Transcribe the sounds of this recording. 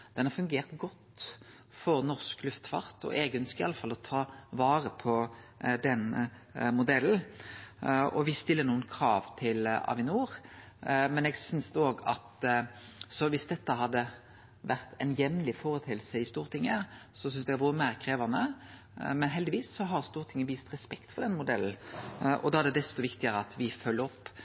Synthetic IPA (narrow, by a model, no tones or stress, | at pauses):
d̪̥ɛnhɑʁfʉŋɡeːʁt̪ɡɔt̪ː | fɔʁnɔʁsklʉft̪fɑ̰ʁt̪ɔ̰ʔeːɡəœnskəɪɑlːəfɑlːɔt̪ʰɑːʋɑːɾəpʰɔd̪ɛnə | mʊd̪ɛl̩ | ɔ̰ʋɪst̪ɪlːənuːənkʰɾɑːʋt̪ʰɪlɑ̰ːʋɪnuːʁ | mɛnɛɡsʏnsd̪oːɡɑ̰t̪ | sɔʋɪsd̪ɛt̪ːəɦɑd̪ːə | ʋæʁt̪ʰɛnjɛmnlɪfoːɾət̪ʰɪlsəɪst̪uːɾt̪ʰɪŋːəsɔs̬ʏnsd̪ɛɡɑʋʊɾəmæːʁkʰɾeːʋɑnə | mɛnɦɛld̪ɪʋiːsːɔɦɑɾst̪uːɾt̪ʰɪŋːəʋiːst̪ɾɛspɛkt̪fɔɾd̪ɛnmʊd̪ɛln̩ʔɔ̰d̪ɑæd̪ɛd̪ɛst̪ɔʋɪkt̪ɪəɾəɑt̪ʋɪfœlːəɾɔpː